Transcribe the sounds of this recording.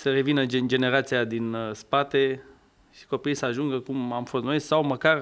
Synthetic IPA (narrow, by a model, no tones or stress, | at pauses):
səɾe̞vinəd͡ʒɨnd͡ʒe̞ne̞ɾat̪sijad̪inspat̪e̞ | ʃi̥ko̞pijsəaʒuŋɡəkumamfo̞st̪no̞isʲsawməkar